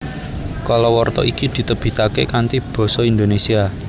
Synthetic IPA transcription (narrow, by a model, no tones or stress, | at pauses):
kalɔwɔrt̪ɔ̰ʔikid̪̥i̤t̪əb̥i̤t̪akekant̪ib̥ɔ̤sɔind̪onesia